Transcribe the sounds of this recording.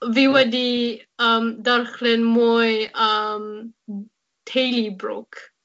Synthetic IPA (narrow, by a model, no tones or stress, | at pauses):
viwɛdiəmdarχlɪnmujəm | tʰejlibrʊ̰k